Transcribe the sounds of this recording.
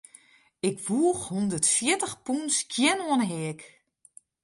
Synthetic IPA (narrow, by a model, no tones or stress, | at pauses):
ɪkʋuəxhundərtfjɪtəxpunskʰjɛnoənəɦɪək